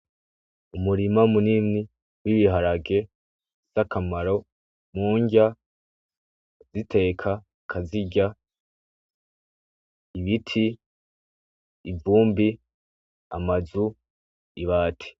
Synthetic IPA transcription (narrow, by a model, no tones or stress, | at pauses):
umuɾimamunimni | wiβiɦaɾaɡe̞ | z̥akʰamaɾo̞ | muːɲɟa | z̥itʰe̞ːkʰa | kʰaziɟa | iβitʰi | vuːmbi | a̰mazu | iβaːtʰi̥